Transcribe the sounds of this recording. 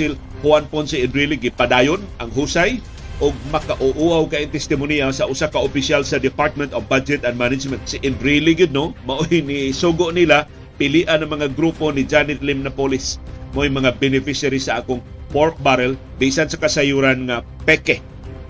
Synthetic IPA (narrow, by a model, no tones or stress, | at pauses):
ɪl | huanpʊnsɪɪnd̪ɾiliɡɪpad̪ajʊnʔɐŋɦusaj | ʔʊɡ̚mɐkaʔʊʔuawkaʔɪŋt̪ɛst̪ɪmʊniasaʔʊsakaʔʊpɪsjalsɐd̪ɪpaɹt̪̚mɛnt̪ofbad͡ʒɛt̪ɐnd̪manɪd͡ʒmɛnt̪sɪʔɪnd̪ɾiliɡɪd̪̚nomaʔojnisuɡʊʔnila | pɪliʔanaŋmɐŋaɡɾuponɪd͡ʒanɪt̪lɪmnapolɪsmaʔojmɐŋabɛnɪfɪʃaɾisaʔaːkʊŋpoɾk̚baɾɛl | bisansɐkasajuɾanŋa | pɛkɛ